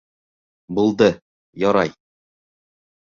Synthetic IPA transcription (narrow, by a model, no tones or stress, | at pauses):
bulˠd̪ɤ | jɒɾɑj